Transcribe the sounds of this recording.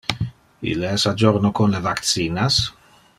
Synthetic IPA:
ḭlːeɛsad͡ʒoɾnokonlevakt̪siːnas

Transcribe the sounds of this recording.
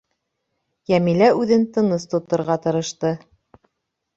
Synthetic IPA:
jæmilæʉðɘnt̪ɤ̆nɤst̪ŏt̪ːɤ̆ɾʁɑt̪ɤ̆ɾɤ̆ʃt̪ɤ

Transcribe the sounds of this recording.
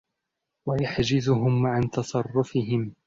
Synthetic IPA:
wajaħd͡ʒɪzʊɦʊmʕant̪ɑsˤɑrˤːʊfɪɦɪm

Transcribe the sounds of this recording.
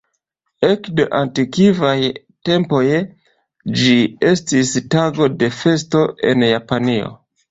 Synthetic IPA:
e̞kdeʔantikivaj | te̞mpo̞j | d͡ʒie̞stistaɡo̞de̞fe̞sto̞ʔe̞̰njapanio̞̰

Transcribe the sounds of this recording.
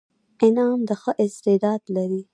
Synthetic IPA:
ɪnɑmd̪əxəʔɪst̪ɪd̪ɑd̪laɾi

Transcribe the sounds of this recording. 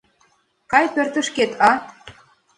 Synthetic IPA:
kɑjpørt̪ə̆ʃket̪ʰɑ

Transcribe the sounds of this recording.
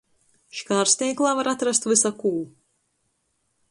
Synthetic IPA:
ʃi̥kaːɾst̪ʲiːklˠaːvaɾat̪ɾast̪vɨsakuː

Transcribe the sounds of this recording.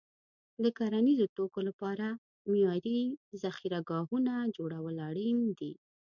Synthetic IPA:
d̪əkaɾanizot̪okolapɑɾa | mijɑɾizaxiɾaɡɑhunad͡ʒoɽawəlaɽind̪i

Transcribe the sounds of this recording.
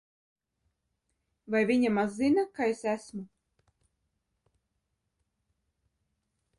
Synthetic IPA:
vajvʲiɲamazːinakaesæsmu

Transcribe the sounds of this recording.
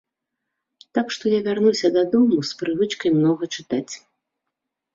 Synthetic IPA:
t̪akʂt̪ɔjavʲarnusʲɐd̪ad̪ɔmuspɾɨvɨt͡ʂkɐjmnɔɣɐt͡ʂɨt̪at͡sʲ

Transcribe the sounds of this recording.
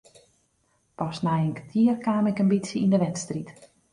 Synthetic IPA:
pɔsnajənkətʰiərkaːmɪkənbitsjəindəʋɛtstrit

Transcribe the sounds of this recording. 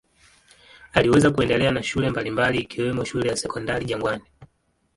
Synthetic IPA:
aliwɛzakuɛndɛlɛanaʃulɛmbalimbaliːkiwɛmɔʃulɛjasɛkɔndaliʄaŋɡwani

